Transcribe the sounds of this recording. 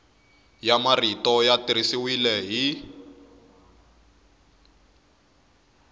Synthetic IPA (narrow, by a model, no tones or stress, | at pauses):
jamaritɔjatiɾisiwilɛɦi